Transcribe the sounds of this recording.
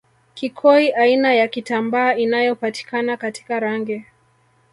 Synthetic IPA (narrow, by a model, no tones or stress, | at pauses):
kikʰɔiʔainajakitambaːinajɔpati̥kanakati̥kaɾaŋɡɛ